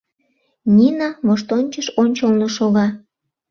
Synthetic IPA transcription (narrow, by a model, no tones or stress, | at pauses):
nʲinɑβoʃt̪onʲt͡ɕəʃonʲt͡ɕəlnoʃoɣɑ